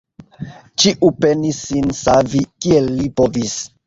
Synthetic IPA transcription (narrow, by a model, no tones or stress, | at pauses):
t͡ʃiʔupe̞nisːinsavikielːipo̞vis